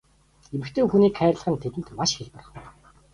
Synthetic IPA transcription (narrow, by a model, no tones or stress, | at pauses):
emɘ̆kt̪ʰeːxuniːkχæːrɮə̆χə̆nt̪ʰet̪ɘ̆nt̪maʃxeɮpɔ̆r̆χ